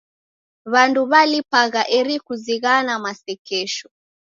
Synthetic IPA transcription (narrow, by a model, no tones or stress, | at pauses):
βanduβalipaɣaʔɛɾikuziɣanamasɛkɛʃɔ